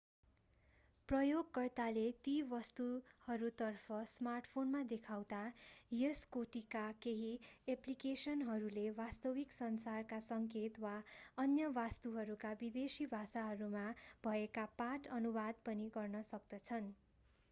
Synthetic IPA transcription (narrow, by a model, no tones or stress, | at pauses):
prʌjoɡkʌrt̪alet̪ibʌst̪uhʌɾut̪ʌrpʰʌsmarʈpʰonmad̪ekʰawd̪ajeskoʈikakeɦieplikesʌnɦʌɾulebast̪ʌwiksʌnsarkasʌŋket̪waʌnjʌbast̪uɦʌɾukabid̪esibʱasaɦʌɾumab̥ʱʌekapaʈʌnubad̪̚pʌniɡʌrnʌsʌk̚d̪ʌt͡sʰʌn